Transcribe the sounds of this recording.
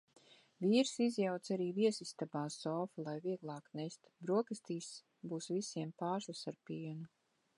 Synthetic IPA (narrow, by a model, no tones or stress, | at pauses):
viːɾsizjawt̪saɾiːviɛsist̪abaːsɔːfulˠajviɛɡlˠɑːknɛst̪bɾuɔkɨst̪iːs | buːsvisiɛmpaːslˠasaɾpiɛnu